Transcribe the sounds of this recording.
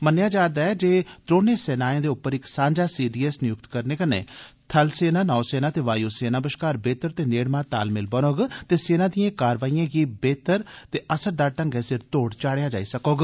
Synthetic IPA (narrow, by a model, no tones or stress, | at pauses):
mənjaːd͡ʒaːɾd̪aːɛːd͡ʒeːt̪ɾoːneːsɛːnaːjẽːd̪eːʊpːəɾɪksãːɲd͡ʒaːsiːɖiːɛsnɪjʊk̚t̪kəɾneːkənḛ̃ː | t̪ʰəlseːnãːnaːseːnãːt̪eːʋaːjoːseːnãːbəʃkaːɾbeːt̪əɾt̪eːneːɽmãːt̪a̰ːlmɪlbənoːɡt̪eːseːnãːd̪ɪjãːkaːɾʋaːijãːɡiːbeːt̪əɾt̪eːʔəsəɾd̪aːʈəŋɡɛːsɪɾt̪oːɽt͡ʃaːɽejaːd͡ʒa̰ːiːsəkoːɡ